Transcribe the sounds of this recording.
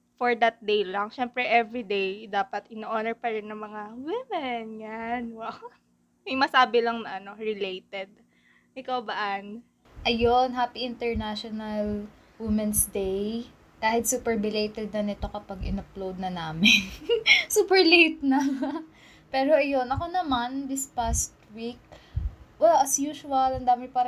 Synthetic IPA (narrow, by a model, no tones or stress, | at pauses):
foɹd̪ɐt̪̚d̪ejlaŋʃɛmpɾɛʔɛvɹid̪ejd̪aːpɐt̪ɪnoʔoːnɛɹpɐɾɪnːɐŋmɐŋawɪmɛnɲanwa | ɪŋmɐsaːbɪlɐŋnɐʔɐno̞ɹɪlejt̪ɛd̪̚ | ʔɪkawbɐʔan | ʔɐjonɦaːpiʔɪnt̪ɛɹnaʃonɐl | wɪmɛnsd̪ej | kaːhɪt̪supɛɹbɪlejt̪ɛd̪̚nɐnɪt̪o̞kɐpɐɡɪ̰nɐplowd̪̚nɐnaːmɪnsuːpɛɹlejt̪̚nɐ | pɛːɾoʔɐjo̞nɐko̞nɐmand̪ɪspast̪wik̚ | wɛlɐsjuːʃʊɐlɐnd̪aːmɪpaːɾɐ